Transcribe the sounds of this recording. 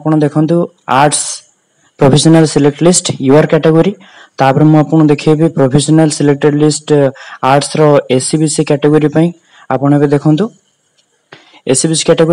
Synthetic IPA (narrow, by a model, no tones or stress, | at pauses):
pɔɽ̃ɔd̪ekʰɔnt̪u | aɾʈs | pɾopʰesɔnalsilek̚ʈlisʈjuaɾkɛʈeɡoɾi | t̪apɔɾemũapɔɽ̃ɔd̪ekʰibipɾopʰesɔnalsilek̚ʈeɾlisʈaɾʈsɾɔesibisikɛʈeɡoɾipaĩ | apɔɽ̃ebed̪ekʰɔnt̪u | esibisi̥kɛʈeɡo